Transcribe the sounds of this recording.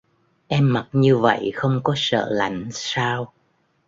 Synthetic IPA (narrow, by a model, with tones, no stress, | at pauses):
ʔɛ˧mːa˨˩t̚ɲɨ˧və̰˧˨jxə˧wŋ͡mkɔ˨˦sə̰ː˧˨la̰˧˩jŋ̟saː˧w